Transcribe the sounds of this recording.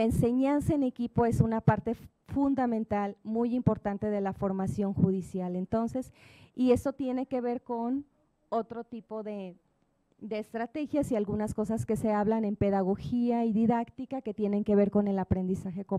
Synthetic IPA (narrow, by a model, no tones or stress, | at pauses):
aense̞ɲansaene̞kipo̞e̞sunapaɾt̪e̞ | fund̪amẽnt̪almujimpo̞ɾt̪ant̪e̞ðe̞lafo̞ɾmasjo̞ŋxuðisjale̞nt̪o̞nse̞sie̞so̞t̪je̞ne̞ke̞βe̞ɾko̞n | o̞t̪ɾo̞t̪ipo̞ðe̞ | d̪e̞ːst̪ɾat̪e̞xjasialɣunasko̞saske̞se̞aβlanẽ̞mpe̞ðaɣ̞o̞xiaiðiðakt̪ikake̞t̪jene̞ŋke̞βe̞ɾko̞ne̞lapɾe̞nd̪isaxeko